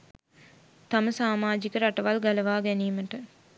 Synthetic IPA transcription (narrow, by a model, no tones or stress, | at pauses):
t̪aməsaːmaːd͡ʒikəɾaʈəʋalɡaləʋaːɡɛniːməʈə